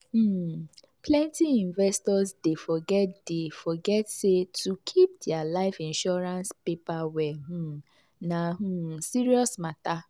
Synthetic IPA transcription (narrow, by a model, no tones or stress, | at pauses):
m̩ | plɛ̃ntiĩnvɛstɔsdefɔɡɛt̚d̥efɔɡɛtsetukʰip̚dɪalaɪfĩnʃɔɾãnspepawɛɦũ | naɦũsiɾiɔsmata